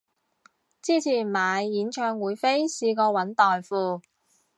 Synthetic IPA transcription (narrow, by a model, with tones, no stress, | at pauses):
t͡siː˥˩t͡sʰiː˨˩maː˨˧˥jːiː˨˥nt͡ʃʰœː˧ŋwuː˨˧jfe˥jsiː˧kɔː˧wɐ˨˥nt̪ɔː˨jfuː˧